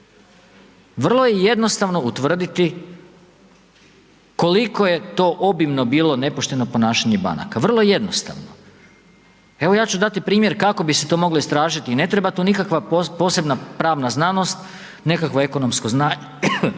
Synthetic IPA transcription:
ʋr̩lˠo̞jeje̞d̪no̞st̪aʋno̞ut̪ʋr̩d̪it̪i | ko̞liko̞je̞t̪o̞ːʔo̞bimno̞biːlˠo̞ne̞poʃt̪e̞no̞po̞naːʃaɲeba̰na̰kaʋr̩lˠojeje̞d̪nost̪a̰ʋno | e̞ʋo̞jaːt͡ɕud̪at̪ipɾiːmje̞ɾkako̞bise̞t̪o̞ːmo̞ɡloist̪ɾaːʒit̪iːne̞t̪ɾe̞bat̪uːnikakʋapopo̞se̞bnapɾaːʋnaznano̞st̪ | ne̞kakʋoe̞konomskoznaːɲe

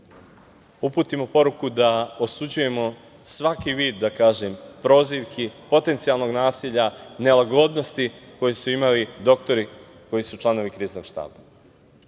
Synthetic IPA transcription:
upuːt̪imo̞po̞ɾukud̪aosud͡ʑuje̞mo̞ | sʋakiʋiːd̪ːakaːʒempɾo̞ːziʋkʰipo̞t̪e̞nt̪sijalˠno̞ɡnaːsiʎane̞laɡo̞d̪no̞st̪iko̞jesuimalid̪o̞kt̪o̞ɾi | ko̞jisut͡ʃlano̞ʋikɾiːzno̞̰ɡ̥ʃt̪a̰ːba

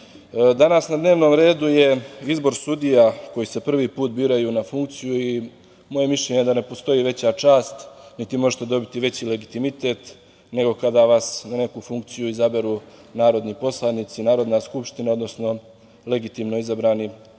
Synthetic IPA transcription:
d̪anasnad̪ne̞ːʋno̞ːmɾe̞ːd̪uje̞izbo̞ɾsud̪ijako̞jise̞pr̩ʋiːpuːt̪̚biːɾajunafuŋkt̪sijui | mo̞je̞miʃʎʲeɲed̪ane̞po̞st̪o̞jiʋe̞t͡ɕat͡ʃaːst̪nit̪imo̞ʒet̪e̞d̪o̞bit̪iʋe̞t͡ɕile̞ɡit̪imit̪e̞ːt̪ | ne̞ɡo̞kad̪aʋasnane̞kufuŋk̚t̪sijuizabe̞ɾu | naːɾo̞d̪nipo̞slˠanit̪sinaːɾo̞d̪naskupʃt̪inao̞d̪no̞sno̞ | le̞ɡit̪iːmno̞izabɾaːni

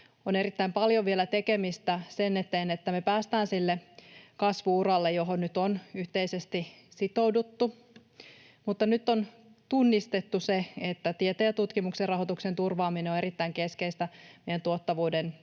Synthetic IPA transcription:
one̞ɾit̪ːæimpɑljoʋielæt̪ekemist̪æsenːet̪eːnet̪ːæmepæːst̪æːnsilːekɑsʋuurɑlːejoɦonnyt̪onyht̪eisest̪isit̪owdut̪ːu | mut̪ːɑnyt̪ːon | t̪unːist̪et̪ːuseet̪ːæt̪iet̪eæt̪ut̪kimukserrɑɦot̪uksent̪urʋɑːmineoeɾit̪ːæiŋke̞skeist̪æmejænt̪uot̪ːɑʋuːden

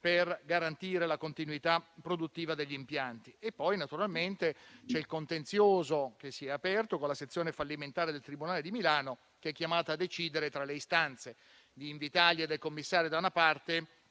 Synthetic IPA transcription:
perɡaɾant̪iːɾelakont̪inuit̪apːɾod̪ut̪ːiːvad̪eʎːiːmpjant̪iepːɔjnat̪uɾalment̪et͡ʃɛilkont̪ent̪sjoːzok̟esːiɛapɛrt̪okonlaset̪sːjoːnefalːiment̪aːɾed̪elt̪ɾibunaːled̪imilaːno | keɛkːjamaːt̪aːd̪ːet͡ʃiːd̪eɾet̪ɾaleist̪ant̪se | d̪iːɱvit̪aʎed̪ːelkomːisːaːɾjod̪aunapart̪e

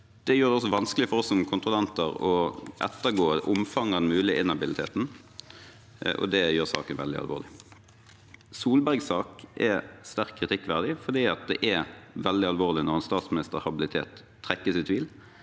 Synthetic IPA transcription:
d̪̥ɛjøːʁd̪ɛɔs̬ːɔʋɑnsklɪfɔʁɔsːɔmkʰʊnt̪ʁʊlɛnt̪əʁɔʔɛ̰t̪ːəɡoːʔʊmfɑŋːɑd̪nmʉːlɪʔɪnɑbɪlɪt̪ʰeːt̪n̩ | ʔɔ̰d̪ɛjøːʁsɑ̰ːkənʋɛ̰ld̪ɪ̰ɑ̰lʋo̰ːlɪ | suːlbæʁɡsɑːkʔɛst̪æʁkʰːʁɪt̪ʰɪkːʋæʁd̪ɪfɔd̪iːɑt̪̚d̪ɛʔɛʋɛld̪ɪɑlʋoːʁlɪnɔʁɛnst̪ɑːt̪smɪnɪst̪əhɑbɪlɪt̪ʰḛːt̪ʰː | ʁɛkːəsɪt̪ʰʋiːl

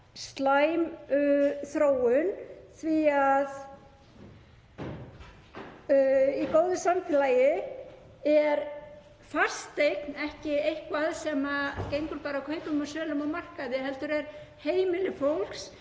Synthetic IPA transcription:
st̪laːjmʏθɾoːwʏnθviað | ikoːwðʏsamfɪlajɪ | ɛɾ | far̥st̪ejknɛhcɪejhkvaðsɛmacejŋkʏɾpaːɾakʰœɥpʏmasœːlʏmawmar̥kaðɪɦɛlt̪ʏɾɛɾ̥ | heːjmɪlɪfowl̥ks

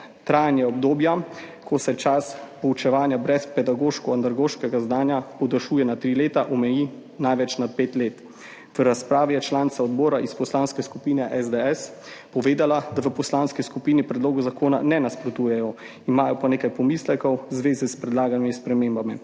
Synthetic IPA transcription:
t̪ɾajnjaɔbd̪oːbjakʰɔsɛt͡ʃaspɔut͡ʃɛʋaːnjabɾɛspɛd̪aɡoːʃkɔand̪aɾɡoːʃkɛɡazdnaːnjapɔd̪əʃuːjɛnat̪ɾileːt̪aʔɔmɛjiː | najʋɛt͡ʃnat̪̚peːt̪leːt̪ | ʋəɾaspɾaːʋijɛt͡ʃlaːnsaɔd̪bɔːɾaʔispɔslaːnskɛskupiːnɛʔɛzd̪ɛɛs | pɔʋeːd̪alad̪aʋəpɔslaːnskiskupiːnipɾɛd̪loːɡuzakoːna̰nɛnaspɾɔt̪uːjɛjɔ | imaːjɔpaneːkajpɔmislɛkɔwzʋeːzispɾɛd̪laːɡanmispɾɛmeːmbami

